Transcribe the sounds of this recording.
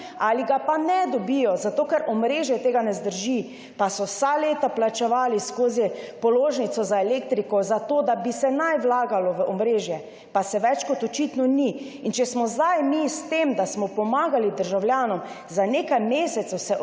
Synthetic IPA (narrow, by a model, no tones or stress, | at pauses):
aliɡapanɛd̪ɔbijɔzat̪oːkɛɾɔmɾeːʒjɛt̪eːɡanɛzd̪əɾʒi | pasɔwsaleːt̪aplat͡ʃɛʋaːliskoːzipɔloːʒnit̪sɔzaeleːk̚t̪ɾikɔzat̪od̪abisɛnajʋlaːɡalɔʋəʔɔmɾeːʒjɛ | pasɛʋɛt͡ʃkɔt̪ɔt͡ʃit̪nɔni | int͡ʃɛsmɔzd̪ajmist̪emd̪asmɔpɔmaːɡalid̪əɾʒawlʲjaːnɔm | zaneːkajmeːsɛt̪sɐsɛ